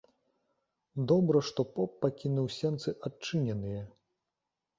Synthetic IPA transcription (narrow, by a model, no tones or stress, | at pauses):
d̪ɔbɾɐʂt̪ɔpɔpːakʲinuwsʲɛnt̪sɨʔat͡ʂɨnʲɛnɨjɛ